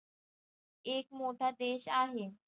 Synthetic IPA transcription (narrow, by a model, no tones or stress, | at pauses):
ekmoʈʰad̪eɕaɦe